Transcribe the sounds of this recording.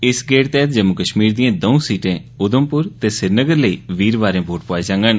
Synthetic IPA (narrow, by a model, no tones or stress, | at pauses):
ɪsɡeːɽt̪ɛːt̪d͡ʒəmːʊkəʃmiːɾd̪iãːd̪əũsiːʈẽː | ʊd̪əmpʊɾt̪eːsɪɾnəɡəɾləiːʋiːɾʋaːɾẽːbʱoːʈpaːeːd͡ʒãːŋɡən